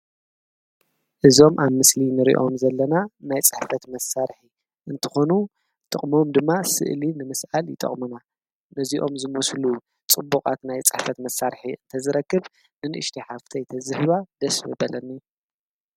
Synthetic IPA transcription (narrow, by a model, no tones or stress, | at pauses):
ʔɨzo̞mʔaβmɨslinɨɾḭʔo̞mzɐlːɐnanajt͡sʼɨħfɐt̪mɐsːaɾħi | ʔɨnt̪ʰɨ̥xo̞nu | t̪ʼɨχʼmo̞md̪ɨmːasɨ̰ʔlinɨmɨsʔaljɪt̪ʼɐ̰χʼmuna | nɨziʔo̞mzɨmuslu | t͡sʼɨbːuqʼat̪najt͡sʼɨħfɐt̪mɐsːaɾħiɨnt̪ʰɐzɨɾɐkːɨβ | nɨnɨʔɨʃt̪ʰiħaft̪ʰɐjt̪ʰɐzɨħɨβad̪ɐsmɨbɐlɐnːi